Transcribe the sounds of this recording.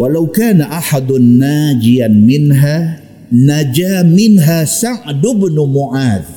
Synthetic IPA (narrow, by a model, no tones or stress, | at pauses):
walawkaːnaʔaħad̪ʊːaːd͡ʒɪjanmɪnɦaː | nad͡ʒaːmɪnɦaːsaʕd̪ʊbnʊmʊʕaːd̪